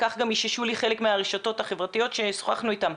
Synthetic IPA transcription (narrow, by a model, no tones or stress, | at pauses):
kaχɡamiʃiʃuliχe̞lekmeaʁeʃato̞thaχevʁatijo̞tʃe̞so̥χa̰χnuitam